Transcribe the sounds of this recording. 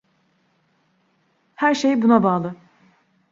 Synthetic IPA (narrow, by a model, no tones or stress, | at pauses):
hæɾʃejbunabaːlˠɯ